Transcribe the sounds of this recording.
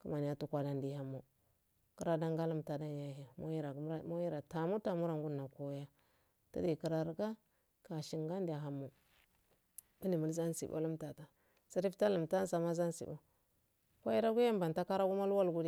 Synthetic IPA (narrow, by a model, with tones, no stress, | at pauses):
ku˦ma˨n˨ja˦tu˨kʷa˨da˨ndi˨ha˨˦mːo˨ | ki˦ɾa˦da˦ŋɡa˦lu˦mta˨da˦n˦ja˨ɦi˨mo˦ji˦ɾa˨˦mo˦ji˦ɾa˨ta˨mu˦ta˨mu˦ɾa˨ŋɡu˦na˨ko˦ja˦ | ta˦di˨ki˨ɾa˨ɾɡa˦ | ka˨ʃi˨ŋɡa˦n˦da˨ɦa˨mːo˨ | i˦ni˨mu˨lza˦n˦sḭ˨bo̰˦lu˦mta˨ta˨ | si˦ɾi˦fta˦lu˨mta˦n˦sa˨ma˦za˦nsḭ˨bo˦ | kʷa˦ji˦ɾa˦ɡu˦ja˦mba˨nta˦ka˦ɾa˦ɡu˦ma˦lwa˦lɡu˦di˦